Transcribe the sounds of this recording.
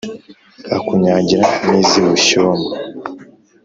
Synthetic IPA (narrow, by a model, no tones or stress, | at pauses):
akuɲaɟiɾaniːziβuʃoːma